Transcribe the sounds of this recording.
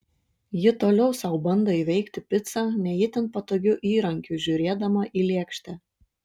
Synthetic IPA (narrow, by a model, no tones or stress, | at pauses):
jɪt̪oːlʲɛʊsɐʊbɐnd̪oːiːʋʲɛɪkt̪ʲɪpʲɪt̪sɑːnʲɛjɪt̪ʲɛnt̪pɐt̪oːɡʲʊʔiːɾɐŋʲkʲʊʒʲʊːɾʲeːd̪ɐmɐʔiːlʲiɛkʃʲt̪ʲɛ